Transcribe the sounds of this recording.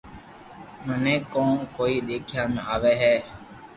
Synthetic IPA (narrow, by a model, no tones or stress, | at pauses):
mənẽːkõːnkoːiːɗ̪eːkʰjaːmẽaːʋeːɦɛː